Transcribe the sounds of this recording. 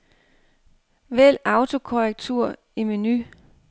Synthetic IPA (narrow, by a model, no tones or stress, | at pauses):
ʋel̰ɑ̈ʊt͡sʰo̝kʰoʁɛɡ̥̚t͡sʰuɐ̰ | iminy